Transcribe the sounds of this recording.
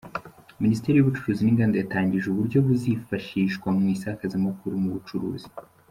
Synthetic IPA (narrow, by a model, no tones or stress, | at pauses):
ministeɾijuβut͡ʃu̥ɾuːziniŋɡandejataːɲɟiʒuβuɾɟo̞βuzifaʃiːʃkwamŋiːsakazimakuɾumuβut͡ʃuɾṵːzi̥